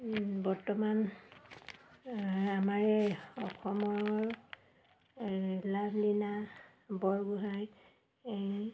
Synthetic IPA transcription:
bɔɹtɔman | amaɹɛɔkʰɔmɔɹ | lablina | bɔɹɡuɦaj | ej

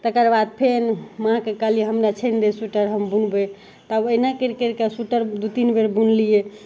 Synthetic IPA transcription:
t̪əkəɾbad̪̚pʰenmɦãkekəlieɦəmɾat͡ʃʰənd̪esuʈəɾɦəmbunbe | t̪abəinakeɾkeɾkesuʈəɾd̪ut̪inbeɾbunlije

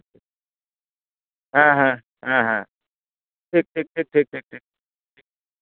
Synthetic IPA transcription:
ɦãːɦã | ɦãɦã | ʈʰiːk̚ʈʰiːk̚ʈʰiːk̚ʈʰiːk̚ʈʰiːk̚ʈʰiːk̚ | ʈʰik̚

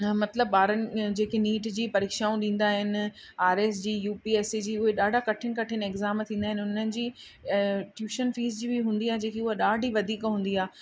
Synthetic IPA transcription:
mɐt̪ləb̚ɓaːɾənɪ̆d͡ʑeːkeniːʈd͡ʑiːpɐɾiːkʃaːũɗĩːn̆d̪aːɦɪnɪ̆ | aːɾeːsd͡ʑiːjuːpiːeːsid͡ʑiːʊɦeɗaːɖʱakɐʈʰɪnɪkɐʈʰɪnɪɡzaːmt̪ʰĩːnd̪aːɦɪnɪʊnənɪ̆d͡ʑiː | ʈjuːʃənfiːzd͡ʑiːbiɦũːnd̪iaːɦed͡ʑẽːkʰeʊɦaɗaːɖʱiʋɐd̪ʱiːkɦũːnd̪iaː

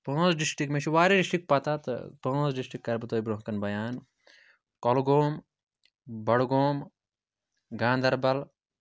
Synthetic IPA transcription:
põːt͡sɖisʈikmet͡ʃʰiʋaːɾiɖisʈik̚pɐt̪at̪põːsɖisʈikːɐɾbɨt̪oːibɾõɦkɐnbɐjaːn | kɔlɡoːm | bɐɽɡoːm | ɡãːnd̪ɐɾbɐl

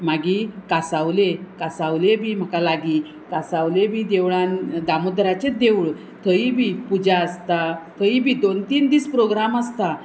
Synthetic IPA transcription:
maɡiːkasawlekasaʋlebʱiːm̤akalaɡiː | kasaʋlebiːd̪eʋɭand̪amud̪ɾat͡ɕed̪eʋɭ | t̪ʰəibʱipud͡ʑaəst̪at̪ʰəibiːd̪ont̪iːnd̪iːspɾoɡɾaməst̪a

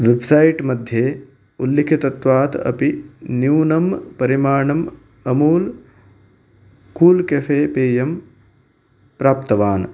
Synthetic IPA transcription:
ʋebsɐjʈmɐd̪ʱjeː | ulːikʰit̪ɐt̪ʋaːt̪ɐ̰pinjuːnɐmpɐɾimaːɳɐm | ɐmuːl | kuːlkɐfeːpeːjɐm | pɾaːpt̪ɐʋaːn

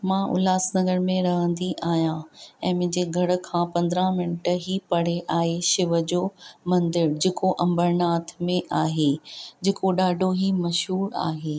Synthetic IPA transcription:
mãːʔʊ̰laːsnɐɡəɾmẽɾɐɦə̃nd̪iʔaːɦijãɛ̃ːmʊ̃ɦɪ̃ɲd͡ʑeɡʱɐɽʊ̆kʰãːpɐ̃nd̪ɾãmɪnʈɦipɐɽ̤eʔaːɦeʃɪʋə̆d͡ʑoːmɐ̃nd̪ɪɾd͡ʑeːkoʔɐ̃mbəɾnaːt̪ʰmẽʔaːɦed͡ʑeːkoɗaːɖʱoɦimɐʃɦuːɾa̰ːɦeː

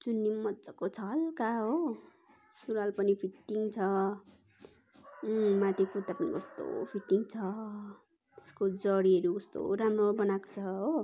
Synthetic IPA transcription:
t͡sunːimːʌt͡sʌkot͡sʰʌlkaɦo | suɾalpʌnipʰiʈːiŋt͡sʰʌ | mãt̪ipʰuɾt̪apʌnḭkʌst̪o̰pʰiʈːiŋt͡sʰʌ | eskod͡zʌɽiʌɾukʌst̪o̰ɾamobʌnako̥t͡sʰʌɦo

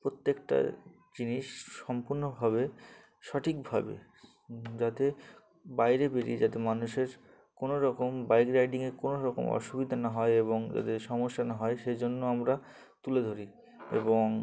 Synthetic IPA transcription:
pɾot̪ːekʈa̰ | d͡ʑiniʃːɔmpuɾnobʱaβe | ʃɔʈʰikbʱabḛ | d͡ʑat̪e | bajɾebeɾid͡ʑat̪emanuʃeɾ | konoɾɔkombajkɾajɖiŋeɾkonoɾɔko̰mɔ̰ʃubid̪ʱanaɦɔeeβoŋd͡ʑa̰t̪eʃɔmoʃːanaɦɔeʃed͡ʑonːoamɾa | t̪uled̪ʱoɾi | ḛboŋ

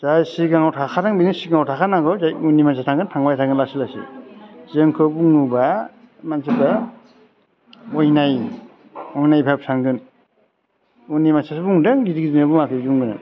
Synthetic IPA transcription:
zajsiɡaŋawtʰakʰaɾaŋbinisiɡaŋawtʰakʰanakɯzajunimasatʰaŋɡɯntʰaŋbajtʰaŋɡɯnlasilasḭzɯŋkʰɯbuŋuba | mansiba | ɔjnaj | ɔjnajbʰap̚sʰaŋɡɯn | unimasasbuŋdɯŋɡidiɡizɯbumakʰɯzuŋɡɯnɯ̰

